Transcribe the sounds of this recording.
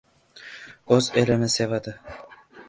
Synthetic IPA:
ɵzelɪnɪsevad̪ɪ

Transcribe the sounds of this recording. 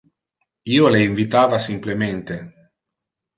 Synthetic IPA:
iːoleiɱvit̪aːvasimplement̪e

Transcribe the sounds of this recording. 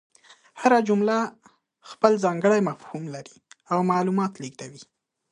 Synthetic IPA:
haɾad͡ʒʊmla | xpəlzɑŋɡəɽajmafhumlaɾi̥awmɑlumɑt̪liɡd̪awi

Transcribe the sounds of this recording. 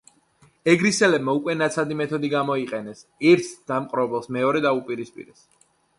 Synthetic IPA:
ɛɡɾisɛlɛbmaukʼwɛnat̪sʰad̪imɛt̪ʰɔd̪iɡamɔiqʼɛnɛsɛɾt̪ʰd̪̥amqʼɾɔbɛlˠsmɛɔɾɛd̪aupʼiɾispʼḭɾɛs

